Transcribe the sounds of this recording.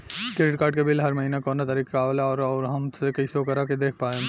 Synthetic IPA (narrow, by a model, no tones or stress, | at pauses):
keɪʈkaːɾɖ̚kebɪlɦɐɾmɐɦiːnakɔːnat̪aɾiːkːaːʋlaɔːɾɔːɾɦɐmsekɐiseokəɾaked̪eːkʰpaːẽ